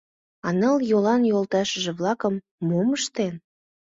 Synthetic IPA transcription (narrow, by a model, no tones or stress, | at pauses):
ɑnɤəljolɑnjolt̪ɑʃə̆ʒĕβlɑkəmː | oməʃt̪en